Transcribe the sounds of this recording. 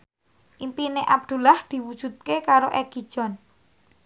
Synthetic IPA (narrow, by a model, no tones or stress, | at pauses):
ʔimpineʔab̚d̪̥ṳlahd̪̥i̤wud̥ʒ̥ṳt̪̚kekaɾoʔɛɡ̥id̥ʒ̥ɔ̤n